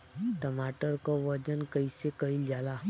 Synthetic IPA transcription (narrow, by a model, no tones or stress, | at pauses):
ʈəmaːʈəɾkoʋəd͡ʒənkəisekəild͡ʒaːla